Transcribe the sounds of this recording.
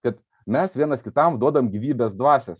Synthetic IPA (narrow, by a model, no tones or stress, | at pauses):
kɐt̪ | mʲɛsʋʲiɛnɐskʲɪt̪ɐmd̪uɔd̪ɐʋomɡʲiʋʲiːbʲɛsd̪ʋɑːsʲɛs